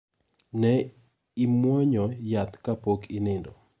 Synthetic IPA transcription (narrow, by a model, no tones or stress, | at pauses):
nɛ | imwɔɲɔjat̪kapokʰɪnɪndɔ